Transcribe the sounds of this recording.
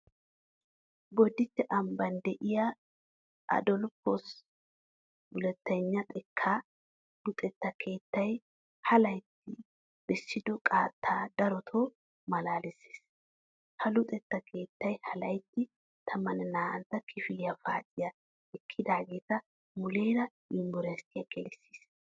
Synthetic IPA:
ɡɔd̪ɪt̪ːɛʔɐmbɐnd̪ɛʔɪjɐ | ʔɐ̰d̪ɔlpːɔs | bʊlɛt̪ːɐɲːɐt̪ʼɛkʰːaː | lʊt̪ʼɛt̪ːɐkʰe̞ːt̪ːɐj | hɐlɐjt̪ːɪ | b̥ɛsːɪd̪ɔkʼaːt̪ʰːaːd̪ɐɾɔt̪ʰoː | mɐlaːlɪsːe̥ːs | hɐlʊt̪ʼɛt̪ːɐkʰe̞ːt̪ːɐjhɐlɐjt̪ːɪ | t̪ʰɐmɐnɛnaːʔɐnt̪ːɐkʰɪfɪlɪjɐfa̰ːt̪ʼːɪjɐ | ɛkʰːɪd̪aːɡe̞ːt̪ɐ | mʊleːɾɐ | ɪmɡɔɾst̪ɪjɐɡʼɛlɪsːe̥ːs

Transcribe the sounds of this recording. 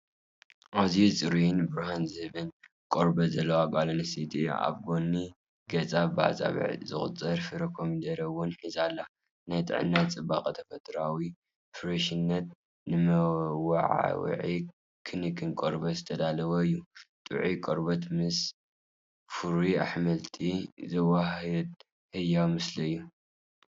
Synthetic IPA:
ʔazisʼɨɾijnbɨɾhanzɨhɨβɨn | kʼoɾbɐzɐlːɐwakʼalɐnɐsit̪ʼia̰βɡonːi | ɡ̥ɐt͡sʼaba̰t͡sʼa̰βɨ̰ʕzɨ̰xʼɨ̰t͡sʼːɐɾfɨɾɐkʰomid̪ɐɾɐwɔnħizalːa | najt̪ʼɨ̰ʕɨ̰nːat͡sʼɨbakʼɐt̪ʰɐfɐt̪ʰɾawi | fɨɾɐʃinːɐt̪̚ | nɨmɐwa̰ʕa̰w̰ʕi | kʰɨnikʰʼɨnkʼo̰ɾbɐzɨt̪ʰɐd̪alɐwɐɨjːut̪ʼɨ̰ʕikʼoɾbɐt̪mɨs | fuɾia̰ħmɐlt̪ʰizɐwaɦɐd̪ | hɨjːamɨslɐɨjːu

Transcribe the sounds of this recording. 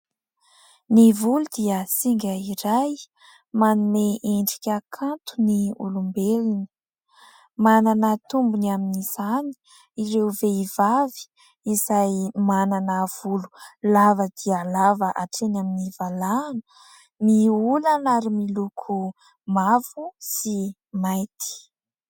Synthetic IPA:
nivulud̪iəsiŋɡʲəiɾaj | manumeʔeɳɖ͡ʐikʲakʰant̪uniṵlumbelini̥ | mananət̪umbunaminiz̥ani̥ | iɾewveivavi̥ | izajmananəːv̥ululavəd̪̥ialavəʔaʈ͡ʂenaminivalaːnə̥ | miulanaɾimilukʰu | mav̥usi | majt̪i̥

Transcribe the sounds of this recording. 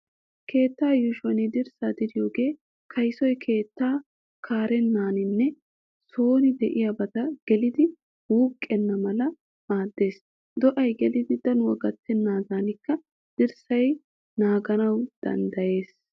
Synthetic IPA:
kʰe̞ːt̪ːaːjʊʃwɐnɪd̪ɪɾsaːd̪ɪɾɪjo̞ːɡe̞ː | kʰɐjsɔjkʰe̞ːt̪ːaː | kʰaːɾɛnːaːnɪnːɛ | so̞ːnɪd̪ɛʔɪjabɐt̪ɐɡ̥ɛlɪd̪ɪ | wuːkʼːɛnːɐmɐlɐ | maːd̪ːe̞ːs | d̪ɔʔɐjɡɛlɪd̪ɪd̪ɐnwɐɡɐt̪ːɛnːaːzaːnɪkːɐ | d̪̥ɪɾsɐj | naːɡɐnɐwd̪̥ɐ̰nd̪ɐje̞ːs

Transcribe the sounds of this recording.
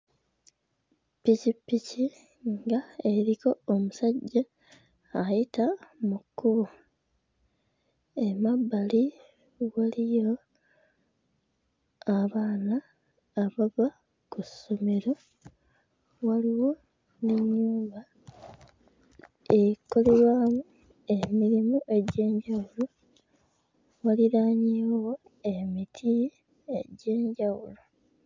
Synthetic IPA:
pːicipːici | ŋɡaeɾiko̞ːmusaɟːaː | jitamukːuβu | e̞mabːali | walijo̞ | aβaːnaː | βaβa | kusomeɾo | waliwo̞ | neɲːuːmba | ekoleɾwaːmu | e̞miɾimuʔe̞ɟe̞ːɲɟawulo | waliɾaːɲiːwwo | e̞mitʰi | eɟe̞ːɲɟawulo

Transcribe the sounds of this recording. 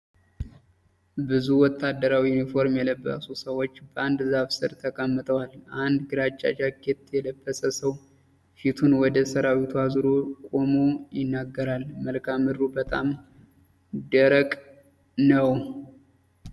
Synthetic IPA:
bɨzuwɔt̪ʰːad̪ːəɾawijunifo̞ɾmjɛləbːə̰susəwo̞t͡ʃːbəʔand̪zaβsɨɾt̪ʰəkʼəmːɨt̪ʰʼəwalʔand̪ɡɨɾat͡ʃʼːa̰d͡ʒakːet̪jɛləbːəsəsəw | fit̪ʰunwɔd̪əsəɾawit̪ʰuazɨɾokʼo̞mojɪnːaɡːəɾalməlkʰamɨɾubət̪ʼam | d̪əɾəkʼ | nəw

